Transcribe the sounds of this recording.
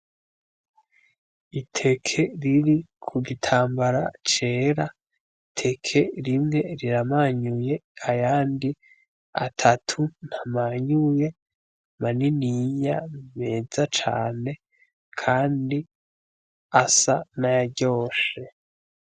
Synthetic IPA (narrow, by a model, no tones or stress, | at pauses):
itʰe̞kʰe̞ɾiɾikʰuɡitʰaːmbaɾa̰t͡ʃe̞ːɾa | tʰe̞kʰe̞ɾimŋe̞ɾiɾamaɲuje̞ajaːndi | a̰tʰatʰun̥hamaɲuje̞ | maniniɲame̞ːzat͡ʃa̰ːne̞ | kʰaːndi | asanajaɟo̞ːʃe